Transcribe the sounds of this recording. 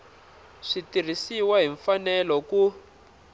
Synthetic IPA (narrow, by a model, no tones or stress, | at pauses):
ʂitir̤isiwaɦiɱfanɛlɔku